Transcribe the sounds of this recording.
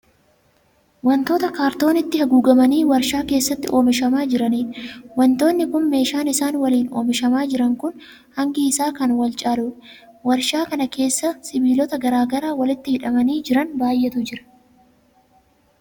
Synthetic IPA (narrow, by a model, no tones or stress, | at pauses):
wɐnt̪o̞ːt̪ɐkaːɾt̪o̞ːnɪt̪ːɪhɐɡuːɡɐmɐniːwɐɾʃaːke̞ːsːɐt̪ːɪ̰ʔo̞ːmɪʃɐmaːd͡ʒɪɾɐniːnwɐnt̪o̞ːnːɪkʊnme̞ːʃaːnɪsaːnwɐliːno̞ːmɪʃɐmaːd͡ʒɪɾɐŋkʊn | hɐŋɡɪːsaːkɐnwɐlt͡ʃʼaːluːwɐɾʃaːkɐnɐkʰe̞ːsːɐsɪbiːlɔt̪ɐɡɐɾaːɡɐɾaːwɐlɪt̪ːɪhɪᶑɐmɐniːd͡ʒɪɾɐnbaːjʔɛt̪ʊd͡ʒɪɾɐ̥